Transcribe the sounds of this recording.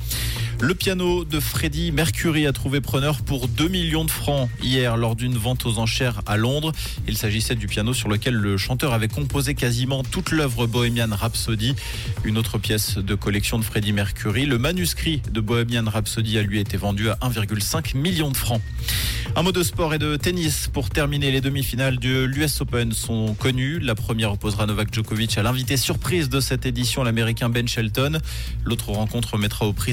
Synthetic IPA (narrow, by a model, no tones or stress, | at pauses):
ləpjanod̪əfχed̪imɛʁkʲyʁiat̪χuvepχənœʁpuʁd̪ømiljɔ̃d̪əfχɑ̃ijɛʁlɔʁd̪ynvɑ̃t̪ozɑ̃ʃɛʁalɔ̃d̪ʁ | ilsaʒisɛd̪ypjanosyʁləkʲɛlːəʃɑ̃t̪œʁavɛkɔ̃pozekazimɑ̃t̪ut̪lœvʁəbɔɛmjanʁapsod̪i | ynot̪χəpjɛsd̪əkɔlɛksjɔ̃d̪əfχed̪imɛʁkʲʰyʁiləmanyskχid̪əbɔɛmjanʁapsod̪ialɥiet̪evɑ̃d̪yaʔɛ̃viʁɡʲylsɛ̃kmiljɔ̃d̪əfχɑ̃ | ɛ̃mɔd̪əspɔʁed̪ət̪enispuʁt̪ɛʁmineled̪əmifinald̪əlyɛsopɛnsɔ̃kɔnylapχəmjɛʁɔpozʁanɔvakʒɔkovit͡ʃalɛ̃vit̪esyʁpχizd̪əsɛt̪ed̪isjɔ̃lameʁikʲɛ̃bɛnʃɛlt̪ɔn | lot̪χəʁɑ̃kɔ̃t̪χəmɛt̪χaopχi